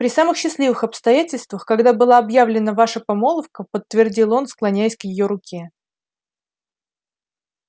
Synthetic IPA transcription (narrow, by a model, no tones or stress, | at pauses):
pɾʲɪsamɨxɕːɪslʲivɨxɐpst̪ɐjætʲɪlʲst̪vəxkɐɡd̪abɨlˠaːbjavlʲɪnəvaʂəpɐmo̞lˠəfkəpət̪ːvʲɪrdʲilˠo̞nsklˠɐnʲæjɪsʲkjɪjo̞ɾʊkʲe